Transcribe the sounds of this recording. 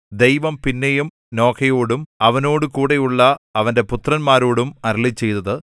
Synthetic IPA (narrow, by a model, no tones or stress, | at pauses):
d̪ejʋɐmpinːejum | no̞ːkʰɐjoːɽumɐʋɐno̞ːɽukuːɽejuɭːɐɐʋɐnde̞put̪rɐnmaːɾo̞ːɽumɐɾɭit͡ɕːe̞jt̪ɐðɨ